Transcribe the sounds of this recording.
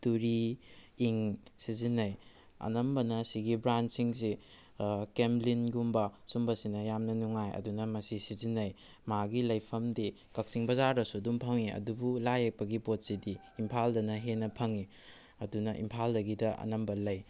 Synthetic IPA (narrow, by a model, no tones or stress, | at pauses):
tuɾiiŋsizinɐj | ɐ̰nɐmbɐnɐsiɡibɾansiŋs̬i | kemlinɡumbɐsumbɐsinɐjamnɐnuŋajɐ̰dunɐmɐsisizinːɐj | maɡilɐjpʰɐmdi | kɐk̚siŋbɐzaɾɐsudumpʰɐŋiɐ̰dubulajek̚pɐɡipot̚sidi | impʰaldɐnɐɦenɐpʰɐŋi | ɐdunɐʔḭmpʰaldɐɡidɐʔɐ̰nɐmbɐlɐj